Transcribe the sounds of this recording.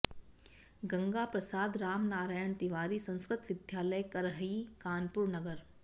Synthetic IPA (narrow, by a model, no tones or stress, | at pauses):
ɡɐ̃ŋɡapɾɐsaːd̪ɾaːmnaːɾaːjəɳt̪ɪʋaːɾisɐ̃nskɾɪt̪ʋɪd̪ʱjaːləjkɐɾɦikaːnpʊɾnɐɡəɾ